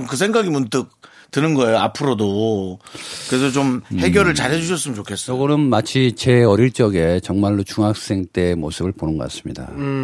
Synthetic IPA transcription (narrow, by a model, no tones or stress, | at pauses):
mkɯs̬ʰe̞ŋɡaɡimunt͈ɯk̚ | tɯnɯnɡʌejoapʰɯɾodo | kɯɾesʰʌt͡ɕomhe̞ɡjʌɾɯɭt͡ɕaɾɦe̞d͡ʑuɕʰʌs͈ɯmɯnt͡ɕokʰe̞s͈ʌjʌɡʌnɯnmat͡ɕʰit͡ɕe̞ʌɾiɭt͡ɕ͈ʌɡe̞t͡ɕʌŋmaɭːot͡ɕuŋɦak̚s͈e̞ŋt͈e̞mosʰɯbɯɭponɯnɡʌ̰k͈a̰s͈ɯ̥mɲida̰